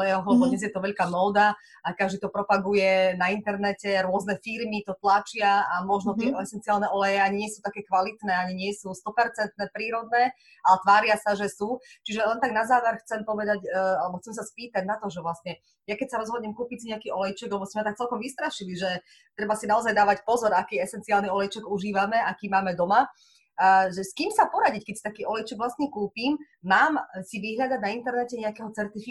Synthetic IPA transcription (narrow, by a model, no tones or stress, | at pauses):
ɛjɛɦɔɦɔlɛbɔd̪ɲɛzjɛt̪ɔʋɛʎkaːmɔːd̪a | akaʒd̪it̪ɔpɾɔpaɡujɛnaint̪ɛɾnɛcɛɾʊɔznɛfiɾmit̪ɔt̪lat͡ʃɪaamɔʒnɔt̪ɪɛɛsɛnt͡siaːlˠnɛʔɔlɛjɛaɲiɲɪɛsut̪akɛːkʋalit̪nɛːaɲiɲɪɛsust̪ɔpɛɾt͡sɛnt̪̚nɛːpɾiːɾɔd̪̚nɛː | alɛt̪ʋaːɾɪasaʒɛsuːt͡ʃiʒɛlɛnt̪aɡnazaːʋɛɾxt͡sɛmpɔʋɛd̪acalɛbɔxt͡sɛmsaspiːt̪aɟnat̪ɔʒɛʋlasɲɛ | jakɛcsaɾɔzɦɔdɲɛmkuːpicsiɲɛakiːɔlɛjt͡ʃɛɡlɛbɔsmɛmɛt̪ak̚t͡sɛlkɔmʋist̪ɾaʃiliʒɛ | t̪ɾɛbasinaɔzajd̪aːʋacpɔzɔɾakiːɛsɛnt͡siaːlniɔlɛjt͡ʃɛɡuʒiːʋamɛakiːmaːmɛd̪ɔma | ʒɛskiːmsapɔɾaɟickɛcsit̪akiːʔɔlɛjt͡ʃɛɡʋlasɲɛkuːpiːm | maːmsiʋiɦʎad̪aɟnaint̪ɛɾnɛcɛɲɛakɛɦɔt͡sɛɾt̪ifi